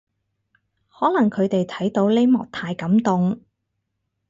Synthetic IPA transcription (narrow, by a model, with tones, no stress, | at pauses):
hɔː˨˥lɐ˨˩ŋkʰɵ˨˧ɥt̪e˨jt̪ʰɐ˨˥jt̪o˨˧˥wle˥mɔ̰ː˨˩k̚t̪ʰaː˧jkɐ˨˥mt̪ʊ˨ŋ